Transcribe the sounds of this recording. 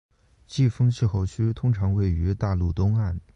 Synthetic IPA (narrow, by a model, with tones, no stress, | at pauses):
t͡ɕi˥˩fɤ˥ŋt͡ɕʰi˥˧xo˥˩ʊt͡ɕʰy˥t̪ʰʊ˥ŋʈ͡ʂʰɑ˧˥ŋwe˥˩ɪy˧˥t̪a˥˧lu˥˩t̪ʊ˥ŋa˥˩n